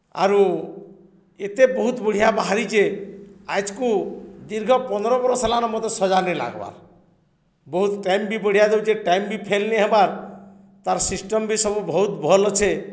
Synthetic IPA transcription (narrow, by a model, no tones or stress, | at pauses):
a̰ɾu | et̪ebɔɦut̪bəɽ̤ijabaɦaɾit͡ʃʰea̰jt͡ʃkud̪iɾɡʱɔpɔnɔɾɔbɔɾɔsalanɔmɔt̪esɔd͡ʒanila̰ɡba̰ɾ | bɔɦut̪ʈajmbibɔɽ̤ijad̪ewt͡ʃeʈajmbipʰelneɦebaɾ | t̪aɾsisʈɔmbisɔbubʱɔɦut̪bʱɔlɔt͡ʃʰe